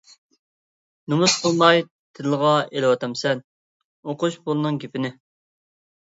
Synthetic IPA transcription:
nɨmusqʰəlˠmɑj | t̪ʰɪlˠʁɑelɪwɑt̪ʰɑmsɛn | oqʊʃbolˠnɨŋɡʲepɪnɪ

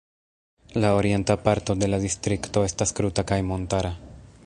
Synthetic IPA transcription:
lao̞ɾie̞ntapaɾto̞de̞ladistɾikto̞e̞staskɾutakajmo̞ntaɾa

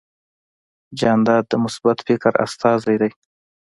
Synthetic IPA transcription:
d͡ʒɑnd̪ɑd̪̚ːəmʊsbat̪fɪkɾa̰st̪ɑzajd̪aj

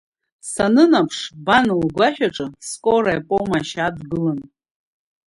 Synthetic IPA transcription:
sanɨnapʰʂbanɨlɡʷaħᶣaʈ͡ʂʼɨskʷʼoɾajpʼomaʃadɡɨlan

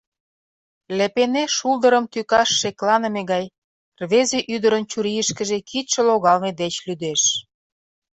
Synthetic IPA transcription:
lepeneʃulˠd̪əɾəmt̪ykɑʃːeklɑnə̆meɣɑj | rβezeʔyd̪əɾənt͡ɕuɾiəʃkə̆ʒekʰit̪ʃĕloɣɑlmed̪et͡ɕlyd̪eʃ

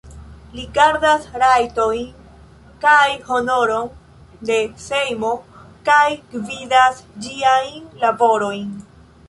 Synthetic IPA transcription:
liɡaɾdasɾajto̞jn | kajho̞no̞ɾo̞n | de̞se̞jmo̞kajkvidasd͡ʒiajnlabo̞ɾo̞jn

